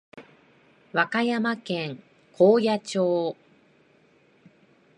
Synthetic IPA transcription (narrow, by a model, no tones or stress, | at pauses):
βakajamakẽ̞ŋ | kʰoːjat͡ɕo̞ː